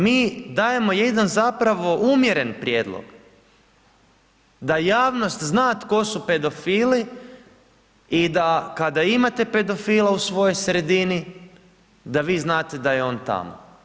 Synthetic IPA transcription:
miːd̪aːje̞mo̞jed̪anzapɾaʋo̞ʔumjeɾe̞npɾje̞ːd̪lˠo̰ɡ̥ | d̪ajaːʋno̞st̪znaːt̪ko̞supe̞d̪o̞fiːli | id̪akad̪aimat̪e̞pe̞d̪o̞fiːlˠausʋo̞jojsɾe̞d̪ini | d̪aʋiːznaːt̪e̞d̪ajeo̞ːnt̪a̰mo̰

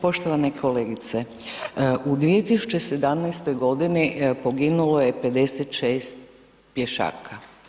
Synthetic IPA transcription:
po̞ʃt̪oʋanekʰo̞leːɡit̪se | ʔud̪ʋijet̪isu̥t͡ɕese̞d̪amnajst̪o̞jɡo̞d̪inipo̞ɡinulojepe̞d̪eset̪ʃeːst̪ | pjeʃa̰ːkʰa

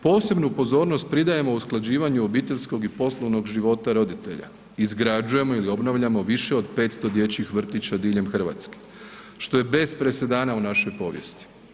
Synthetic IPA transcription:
po̞ːse̞bnupo̞zo̞ːɾno̞st̪̚pɾid̪aje̞mo̞usklˠad͡ʑiːʋaɲuobiːt̪e̞ʎsko̞ɡipo̞slˠoʋno̞ɡʒiʋo̞t̪aɾo̞d̪it̪e̞̰ʎa̰ | izɡɾad͡ʒuje̞mo̞ilio̞bnaʋʎamo̞ʋiʃe̞o̞d̪pe̞ːt̪st̪o̞d̪je̞t͡ɕixʋr̩t̪it͡ɕad̪iːʎe̞mxr̩ʋa̰ːt̪ske̥ | ʃt̪o̞jebe̞spɾe̞se̞d̪aːnaunaʃo̞jpo̞ːʋje̞̰st̪i̥

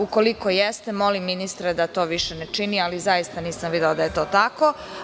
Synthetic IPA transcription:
uko̞liko̞jest̪emo̞limːinist̪ɾed̪at̪o̞ːʋiʃenet͡ʃinializajist̪aniːsamʋid̪eod̪aje̞t̪o̞ːt̪ako̞

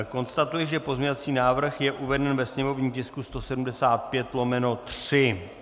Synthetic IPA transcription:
ko̞nst̪at̪ujɪʒɛpo̞zɲovat͡siːnaːvr̩xjɛʔuvɛdɛnvɛsɲɛmo̞vɲiːmcɪskust̪o̞sɛdumdɛsaːt̪̚pjɛt̪lo̞mɛno̞t̪r̥ɪ

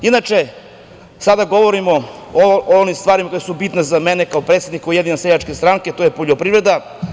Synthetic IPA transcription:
inat͡ʃe | sad̪aɡo̞ʋo̞ɾimo | onimst̪ʋaːɾimako̞jasubit̪nazamenekaopɾe̞t̪sed̪nikojeinaseʎat͡ʃkest̪ɾaŋke̞t̪o̞jepoʎopɾivɾe̞d̪a

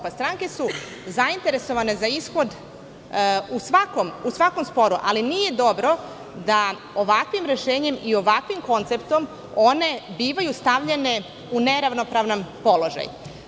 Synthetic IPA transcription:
past̪ɾaːŋke̞su | zaint̪e̞ɾe̞so̞ʋane̞zaisxo̞d̪ | usʋakomusʋako̞mspo̞ɾuʔalinije̞d̪o̞bɾo̞ | d̪a | o̞ʋakʋimɾe̞ʃe̞ːɲe̞mio̞ʋakʋimko̞nt̪se̞pt̪o̞m | o̞ne̞biːʋajust̪aʋʎene̞ | une̞ɾaʋno̞pɾaʋnampo̞lo̞ʒa̰j

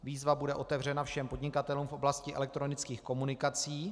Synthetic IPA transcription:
viːzvabudɛʔo̞t̪ɛvr̝ɛnafʃɛmpo̞dɲɪkat̪ɛluːmfʔo̞blascɪʔɛ̰lɛk̚t̪ɾo̞nɪt͡skiːxko̞munɪkat͡siː

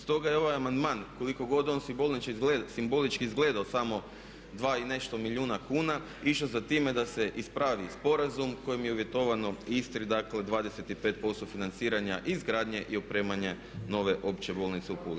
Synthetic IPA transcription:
st̪o̞ɡajeo̞ʋajamand̪maːnko̞liko̞ɡo̞d̪o̞ːnsibo̞lˠnit͡ʃeesimbo̞lit͡ʃkiːzɡle̞d̪aosamo̞ | d̪ʋaːine̞ʃt̪o̞miʎʲuːnakuːna | iʃozat̪ime̞d̪ase̞ʔispɾaːʋispo̞ɾazumko̞jimjeuʋje̞t̪o̞ʋano̞ist̪ɾid̪akle̞d̪ʋaːd̪e̞se̞t̪ipe̞ːt̪̚po̞st̪ofinant̪siːɾaɲaʔizɡɾaːd̪ɲe̞ʔiopɾe̞ːmaɲe | no̞ʋe̞ʔo̞pt͡ɕebo̞lˠnit̪se̞upul

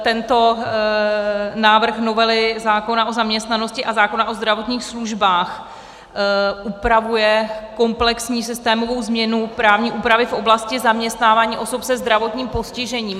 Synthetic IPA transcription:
t̪ɛnt̪o̞ | naːvr̩xno̞vɛlɪzaːko̞naʔo̞zamɲɛst̪nano̞scɪʔazaːko̞naʔo̞zd̪ɾavo̞t̪ɲiːxsluʒbaːx | ʔupɾavujɛko̞mplɛksɲiːsɪst̪ɛːmo̞vo̞wzmɲɛnupɾaːvɲiːʔuːpɾavɪfʔo̞blascɪzamɲɛst̪naːvaːɲiːʔo̞sopsɛzd̪ɾavo̞t̪ɲiːmpo̞scɪʒɛɲiːm

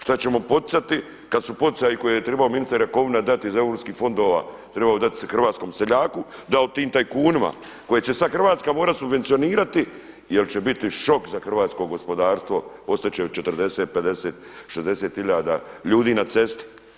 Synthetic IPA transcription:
ʃt̪at͡ɕe̞mo̞po̞t̪̚sat̪i | kad̪supo̞t̪i̥sajikojejet̪ɾebaominist̪eɾako̞ʋinad̪at̪iizaevɾopskiːxfo̞nd̪oːʋa̰ | t̪ɾebaod̪at̪i̥sxr̩ʋaːt̪sko̞ːmseʎaːkud̪aot̪iːmt̪ajkuːnima̰ | ko̞jet͡ɕe̞saxr̩ʋaːt̪skamo̞ːɾat̪subʋe̞nt̪sio̞niːɾat̪i | jelt͡ɕebit̪iʃo̞kzaxr̩ʋaːt̪sko̞ɡo̞spo̞d̪aːɾst̪ʋo̞o̞st̪at̪t͡ɕet͡ʃet̪ərd̪e̞seːt̪̚ped̪e̞seːt̪̚ʃezd̪eseːt̪hiʎaːd̪a̰ʎuːd̪iːnat̪se̞st̪i̥

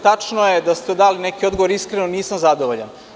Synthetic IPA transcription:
t̪at͡ʂnojed̪ast̪ed̪aːlinekio̞d̪ɡoʋo̞ɾiskɾenoniːsamzad̪oʋoʎa̰n

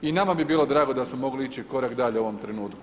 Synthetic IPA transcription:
inamabibiːlˠo̞d̪ɾaːɡo̞d̪asmomo̞ɡliit͡ʃiko̞ɾakd̪aʎeoʋo̞mt̪ɾenuːt̪k

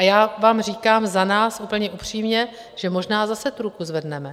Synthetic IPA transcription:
ajaːvaːmriːkaːmzanaːsʔupl̩ɲɛʔupr̝̥iːmɲɛ | ʒ̥ɛmoʒnaːzasɛt̪uɾukuzvɛdnɛmɛ

